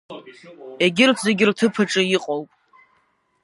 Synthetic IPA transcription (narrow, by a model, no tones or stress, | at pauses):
eɡʲɪrtʰzeɡʲɪrtʰɨpʰaʈ͡ʂʼɨjiqʼowpʼ